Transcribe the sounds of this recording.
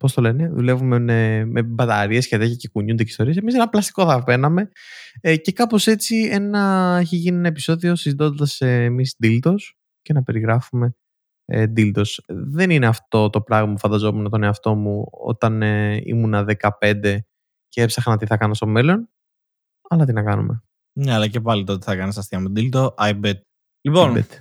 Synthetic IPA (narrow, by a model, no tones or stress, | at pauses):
po̞st̪o̞le̞ne̞ðule̞vumememebɐt̪ɐɾie̞sceðeçicekuɲund̪ecist̪oɾiɐse̞mis̬enɐplɐst̪iko̞θɐve̞nɐme̞ | ce̞kɐpo̞se̞t͡sie̞nɐeçeʝinie̞nɐe̞pi̥so̞ðio̞sizit̪o̞nd̪ɐseːmisd̪ilt̪o̞s | ce̞nɐpe̞ɾiɣɾɐfume̞̰ | d̪ilt̪o̞sðe̞nine̞ɐft̪o̞t̪o̞pɾɐɣmɐpfɐnd̪ɐzo̞me̞not̪o̞neɐft̪o̞muo̰t̪ɐneḭmunɐðe̞kɐpe̞nd̪e̞ | ceepsɐxɐnot̪iθɐkɐnɐst̪o̞melo̞n | ɐlɐt̪inɐkɐnṵme̞̰ | neɐlɐce̞pɐlit̪ot̪eθɐkɐnist̪ɐst̪iɐmut̪d̪ilt̪oʔɐjbed̪̚ | liponbḛd̪